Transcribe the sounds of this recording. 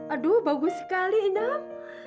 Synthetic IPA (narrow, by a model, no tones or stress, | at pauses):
adubaɡusə̥kaliːna